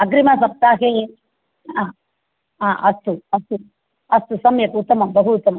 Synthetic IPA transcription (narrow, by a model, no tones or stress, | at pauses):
ɐɡɾimasɐp̚t̪aːɦeː | a | aːʔɐt̪ːuɐt̪u | ɐst̪usɐmjɐkut̪ːɐmɐmbɐɦut̪ɐmɐ